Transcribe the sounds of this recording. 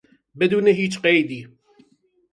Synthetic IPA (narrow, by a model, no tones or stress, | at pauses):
bɨd̪uːneɦiːt͡ʃqejd̪iː